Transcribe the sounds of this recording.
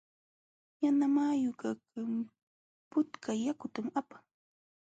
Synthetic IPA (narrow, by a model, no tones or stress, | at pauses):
janamaːjʊkakm | pʊt̪kajakʊt̪ʊmapḁ